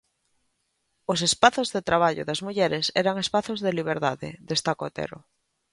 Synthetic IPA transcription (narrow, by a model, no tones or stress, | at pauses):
os̬espaθozðet̪ɾaβ̞aʎʊ̰ðazmuʎɛɾesɛ̰ɾaŋespaθozðeliβ̞eɾðaðḛðest̪akot̪ḛɾo̰